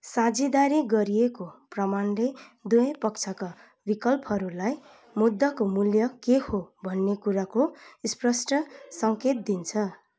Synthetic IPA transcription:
sãd͡zid̪aɾiɡʌɾijekoprʌmanled̪ujʌ̃pʌkt͡sʰʌka | bikʌlpʌɾulaj | mud̪ʱːʌkomuljʌkehobʱʌnːekuɾakoisprʌsʈʌsʌŋket̪̚d̪int͡sʰʌ

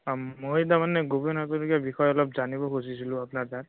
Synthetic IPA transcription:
mojt̬amanɛɡobenatunukiabixɔjɔlɔp̚zanibɔkusisilʊ̃apnaɹdat

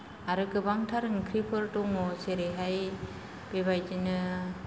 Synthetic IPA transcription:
aɾɯkɯbaŋtʰaɾŋkʰɾipʰɯɾtuŋɔseɾeɦaj | b̥ebajd͡ʒinɯ

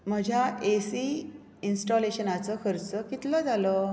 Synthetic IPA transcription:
m̤əd͡ʑʱjaʔesi | insʈɔleɕənat͡səkʰəɾt͡səkit̪ləd͡zalə

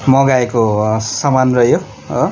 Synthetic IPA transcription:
mʌɡaekosamanrʌjo

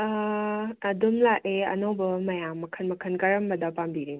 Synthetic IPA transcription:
ɐdumlaʔeɐ̰nowbɐmɐjamːɐkʰɐnmɐkʰənkɐɾɐmbɐdɐpambiɾen

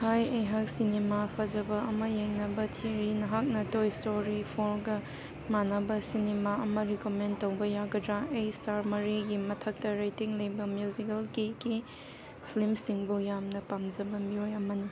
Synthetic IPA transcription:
hajejɦak̚sinemapʰɐd͡ʒɐbɐɐmɐjeŋnɐbɐtʰiɾinɐɦak̚nɐtojstoɾipʰoɾɡɐ | manɐbɐsinemaɐmɐɾikomentːowbɐjaɡɐdɾaʔejstaɾmɐɾiɡimɐtʰɐk̚tɐɾajtiŋlɐjbɐmjuzikɐlkiki | pʰilimsiŋbujamnɐpamd͡ʒɐbɐmiojɐmɐnɐ

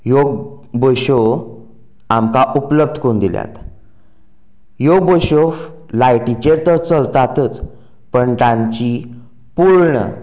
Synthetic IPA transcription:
joɡ | boɕo | amkaʔupləb̚d̪ʱkond̪ilja̰t̪ | joɡ̚boɕof | lajʈit͡ɕeɾt̪əɾt͡səlt̪at̪ət͡s | pəɳt̪ãɲt͡ɕi | puɾɳə̰

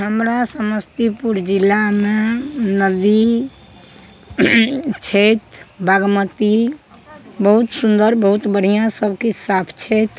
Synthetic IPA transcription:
ɦəmɾasəməst̪ipuɾd͡ʒilːamenəd̪i | t͡ʃʰet̪bʱaɡmət̪i | bəɦut̪sund̪əɾbəɦut̪bəɽ̤ijãsəbʱkisapʰt͡ʃʰet̪

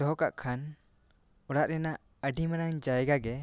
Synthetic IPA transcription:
d̪ɔɦɔka̰ʔkʰan | ɔɽaʔɾɛnaʔ | əɖimaɾaŋd͡ʒajɛɡaɡɛ

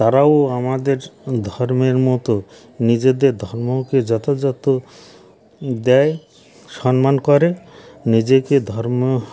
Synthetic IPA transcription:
t̪aɾaoamad̪eɾd̪ʱɔɾmeɾmɔt̪o | nid͡ʑed̪eɾd̪ʱɔɾmoked͡ʒɔt̪ad͡ʒɔt̪o | d̪ɛj | ʃɔnmankɔɾenid͡ʑeked̪ʱɔɾmo

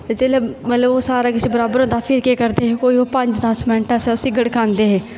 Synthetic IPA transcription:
ed͡ʒeːleːmət̪ləboːsaːɾaːkɪt͡ʃʰbəɾaːbəɾõːd̪aːpʰɪɾkeːkəɾd̪eːɦeːkoːiːoːpəɲd͡ʒd̪ãːsmɛ̃ːɳʈaːsɛːʊsĩːɡəɽkãːnd̪eːɦeː

